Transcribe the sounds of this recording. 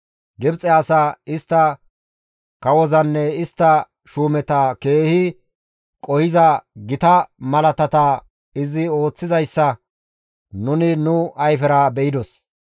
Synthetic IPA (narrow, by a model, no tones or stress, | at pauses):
ɡɪbt͡sʼɛaːsaɪst̪ːɐ | kɐwɔzɐnːɛɪst̪ːɐ | ʃuːmɛt̪ɐke̞ːhɪ | kʼɔhɪzɐɡɪt̪ɐmɐlɐt̪ɐt̪ɐ | ɪzɪo̞ːt͡sːɪzɐjsːɐ | nʊnɪnʊɐjfɛɾɐbɛɪd̪ɔs